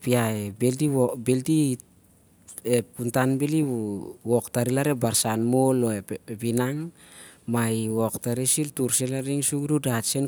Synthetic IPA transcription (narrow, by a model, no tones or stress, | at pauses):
piaebeltibelti | ep̚kuntanbeliwoktaɾilaɾebaɾsanmoloepinaŋ | maiwoktaɾisiltuɾselaɾiŋsuɡɾudasen